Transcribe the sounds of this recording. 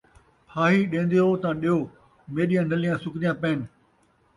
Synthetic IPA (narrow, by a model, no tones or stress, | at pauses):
pʰaːɦiɗẽːnd̪ejoːt̪ãːɗijoː | meːɗijãːnɐlijãsʊkɗijãːpeːnɪ̆